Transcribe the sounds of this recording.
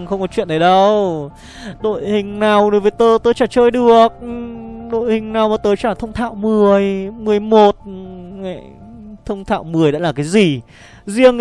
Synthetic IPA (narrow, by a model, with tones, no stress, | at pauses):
xə˧wŋ͡mkɔ˨˦t͡ɕwḭ˧˨ənɗə˨˩˦ɗə˧w | ɗo̰˧˨jhï˨˩ŋ̟naː˨˩wɗo˨˦jvəː˨˦jt̪o˧˩t̪oː˧˦jt͡ɕaː˧˩t͡ɕəː˧jɗɨ˨˩ək̚ɗo̰˧˨jhï˨˩ŋ̟naː˨˩wmaː˨˩t̪oː˨˦jt͡ɕaː˧˩t̪ʰə˧wŋ͡mt̪ʰa̰ː˧˨wmɨ˨˩əjmɨ˨˩əjmo˨˩t̚ma̰˧˨ | t̪ʰə˧wŋ͡mt̪ʰa̰ː˧˨wmɨ˨˩əjɗa̰ː˧˥laː˨˩kaː˨˦jzi˨˩ | zi˧əŋ